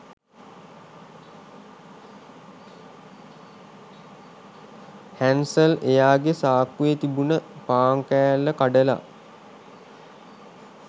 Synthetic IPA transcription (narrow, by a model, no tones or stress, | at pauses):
hænsəlejaːɡesaːkːuet̪ibunəpaːŋkæjalːəkaɖəla̰